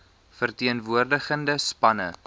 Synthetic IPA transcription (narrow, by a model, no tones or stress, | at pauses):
fərtiənvuərdəχəndəspɐnə̰